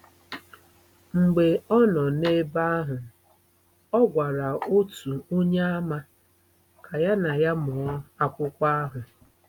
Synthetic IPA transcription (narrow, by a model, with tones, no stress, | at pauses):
ŋ͡m̩˨ɡ͡be˨ɔ˦nɔ˨ne˦ba˦ɦʊ˨ | ɔ˦ɡʷa˨ɾa˨o˦tu˨o˦ɲe˦a˦ma˦ | kʰa˨ja˦na˨ja˦mʊ˨ɔ˦a˦kʷʊ˦kʷa˦a˦ɦʊ˨